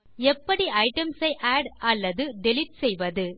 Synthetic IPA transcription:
ɛpːɐɽiɐɪʈɐmsɐɪʔaːɖɐlːɐðɯɖɪlɪʈ̚sɛjʋɐðɯ

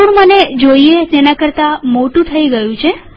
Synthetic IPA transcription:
uɳmaned͡ʒoiet̪enakəɾt̪amoʈũt̪ʰəiɡəjũt͡ʃʰe

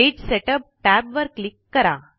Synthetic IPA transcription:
ed͡ʑseʈəp̚ʈæbʋəɾklikːəɾa

